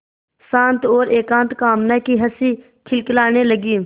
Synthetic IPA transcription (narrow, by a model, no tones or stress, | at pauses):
sãːnt̪oːɾeːkãːnt̪kaːmnakiːɦəsiː | kʰɪlkɪlaːneːləɡiː